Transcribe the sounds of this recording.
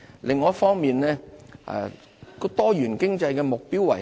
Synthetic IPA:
lʔɪ˨˧ŋːɔː˨˥fɔː˥ŋmiː˨nlɛː˥a̰˨˧ | kɔ˧t̪ɔː˥jyː˨˩nkɪ˥ŋt͡sɐ˧jkɛː˧mʊ˨k̚piː˥wɐ̰˨˩

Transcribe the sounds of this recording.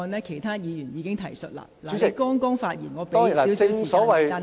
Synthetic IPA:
nlɛː˥kʰe˨˩jt̪ʰaː˥jiː˨˧jyː˨˩njiː˨˧kɪ˥ŋt̪ʰɐ˨˩jsɵ̰˨t̚la̰ː˧˨la˨˥˨kɔː˥ŋkɔː˥ŋfaː˧t̚jiː˨˩nŋɔː˨˧pe˥˨i˨˥wswi˨sɔː˨˥wɐ˨jtaː˨n

